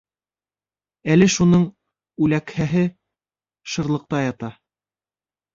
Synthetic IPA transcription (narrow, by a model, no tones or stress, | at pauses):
ælɘʃunɤɴ | ʉlækhæɦɘ | ʃɤ̆ɾlˠɤ̆q̚t̪ɑjɑt̪ɑ